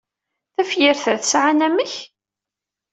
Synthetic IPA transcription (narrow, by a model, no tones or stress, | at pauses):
θæfjɪɾθəɾθəsʕanæməç